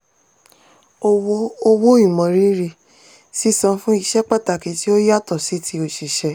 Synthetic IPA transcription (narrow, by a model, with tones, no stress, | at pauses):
o˦˧wo˦o˧wo˦i˦˨mɔ̃˨ɾi˦ɾi˧ | si˦˨sã˧˦fũ˦i˧ʃɛ˦k͡pa˦˨ta˨ki˨˦ti˦o˦ja˦˨tɔ˨si˨˦tʰi˧˦o˧˨ʃi˧˨ʃɛ˧